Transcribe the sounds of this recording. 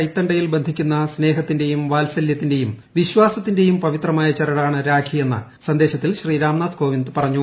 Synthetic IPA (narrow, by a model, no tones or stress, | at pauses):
ɐjt̪ːɐɳɖɐjilbe̞nd̪ʱikʲːunːɐsne̞ːɦɐt̪ːinde̞jumʋaːlsɐljɐt̪ːinde̞jum | ʋiɕwaːsɐt̪ːinde̞jumpɐʋit̪rɐmaːjɐt͡ɕɐɾɐɽaːɳɨɾaːɡʰʱije̞nːɐ̰ | sɐnd̪e̞ːɕɐt̪ːilɕriːɾaːmnaːt̪ko̞ːʋind̪ɨpɐrɐɲːu